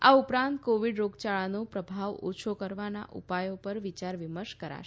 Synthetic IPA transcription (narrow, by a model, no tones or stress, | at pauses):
aupɾãnt̪koʋiɖɾoɡt͡ʃaɭanopɾəbʱaʋo̰t͡ʃʰokəɾʋana̰ʔṵpajopəɾʋit͡ʃaɾʋiməɾʃkəɾa̰ʃ